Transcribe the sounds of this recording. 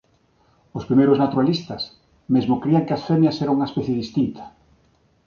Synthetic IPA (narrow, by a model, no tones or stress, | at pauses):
ospɾimejɾʊznat̪uɾalist̪ɐs | mezmokɾiaŋkɪasfɛmjɐsɛɾauŋɐespɛθjeðist̪int̪ɐ̥